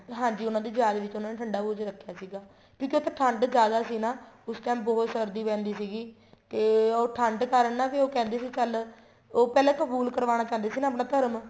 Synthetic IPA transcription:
ɦãːd͡ʒiːʊnãːd̪eːd͡ʒaːɾeːʋɪt͡ʃʊnaːneːʈʰəɳɖaːbuːd͡ʒɾəkʰːjaːsiːɡaː | kjõːkiot̪ʰẽːʈʰəɳɖd͡ʒjaːd̪aːsiːnaːʊsʈaːmbɔːt̪səɾd̪iːpɛ̃ːnd̪iːsiːɡiː | t̪eːoːʈʰəɳɖkəɾənːaːʋiːoːkɛ̃ːnd̪eːsiːt͡ʃəl | oːpɛːlɛ̃ːkəbuːlkəɾʋaːñaːt͡ʃãːnd̪eːsiːnaːp̬nãːt̪əɾm

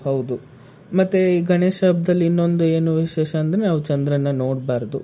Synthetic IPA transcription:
hɐwd̪u | mɐt̪ːeiːɡʱɐneːʃɐbʱd̪ɐlːiinːo̞nd̪ue̞ːnuʋiʃɛːʃɐːnd̪ɾenaːʋut͡ʃɐnd̪ɾɐnːɐno̞ːɽbaːɾd̪u

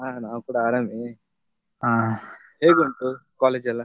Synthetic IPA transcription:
aːnaːwukuːɽaaːɾameː | aː | heːɡunt̪ukaːleːd͡ʒɐlːɐ

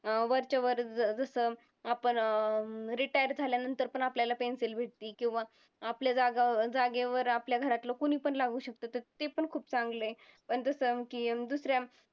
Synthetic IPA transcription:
ʋəɾt͡ɕəʋəɾd͡zəsə | apəɳ | ɾiʈajəɾd͡zʱaljanənt̪əɾpəɳapljalapenselbʱeʈ̚t̪iːkĩw̃ʋaː | pljad͡zaɡad͡zaɡeʋəɾapljaɡʱəɾat̪lakoɽ̃iːpəɳlaɡuːɕək̚t̪ət̪əɾt̪epəɳkʰuːpt͡sãŋɡləepəɳd͡zəsəkiːd̪usɾja

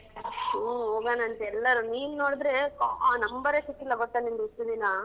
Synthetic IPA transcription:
oːɡanɐːnt̪ɛlːɐɾuniːnunoːɽd̪ɾekːnɐmbɐɾesikːilːɐɡoʈːanend̪uiʈːud̪inɐ

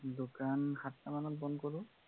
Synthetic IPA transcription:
dokanxatːamanɔt̚bɔnkɔlʊ

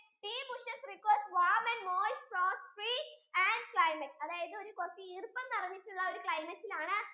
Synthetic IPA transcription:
t̪iːbuʂɐsrikwersʋaːmɐɳɖmoːsproːsfriːɐɳɖkɭɐjmɐtːɐðaːjɐðɨo̞ɾukort͡ɕːɐirɨpːɐmt̪ɐrɐɲːiʈːuɭːɐoɾukɭɐjmɐtːilaːɳɨ

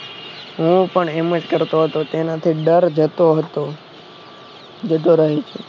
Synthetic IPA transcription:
ɦũpəɳeməd͡ʒkəɾt̪oɦət̪ot̪enat̪ʰiɖəɾd͡ʒət̪oɦət̪o | d͡ʒəd̪oɾəɦit͡ʃʰu

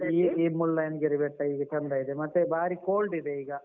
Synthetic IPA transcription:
iːiːmulːɐjɐnɡeɾibeʈːɐiːɡɐt͡ʃɐnd̪ɐid̪emɐt̪ːebaːɾikoːlɖid̪eiːɡɐ

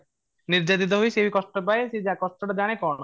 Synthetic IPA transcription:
niɾd͡ʑat̪̬it̪̬oɦojʃebikɔʃʈopaeʃed͡ʑakɔʃʈoʈad͡ʑaɽ̃ekɔno

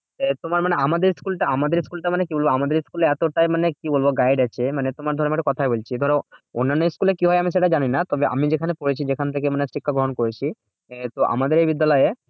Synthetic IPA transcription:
t̪omaɾmaneamad̪eɾskulʈaamad̪eɾskulʈamanekibolboamad̪eɾskuleɛt̪oʈaemanekibolboɡajɖat͡ɕʰemanet̪omaɾd̪ʱɔɾemaʈekɔt̪ʰaebolt͡ɕʰid̪ʱɔɾeonːanːɔjskulekiɦɔeamiʃ̬eʈad͡ʑaninat̪ɔbeʔa̰mid͡ʑekʰanepoɽet͡ɕʰid͡ʑekʰant̪ʰekemanesɾikʰːaɡɾɔɦonkoɾet͡ɕʰi | t̪oʔa̰mad̪eɾejbid̪ːalɔje

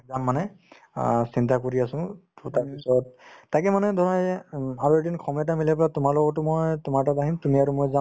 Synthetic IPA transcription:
zamːanɛ | sintakoɹiasʊ̃ttaɹpisɔt̚ːakɛmanɛdʱɔɹajzɛaɹuedinkʰɔmɛt̬amilɛpɹatʊmaɹlɔɡɔtʊmojtʊmaɹtabaɦimtumiaɹumojzam

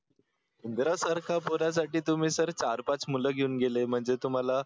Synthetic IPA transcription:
und̪ɾasaɾkʰapoɾjas̬aʈiːt̪um̤iːsəɾt͡ɕaɾpat͡smuləɡʱeuːnɡelem̤əɳd͡zet̪um̤ala

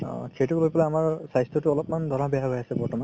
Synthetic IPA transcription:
kʰetuklojpɔlaamaɹsajstʰɔtʊɔlɔpmandʱɔɹabɛaɦojasɛbɔɹtɔman

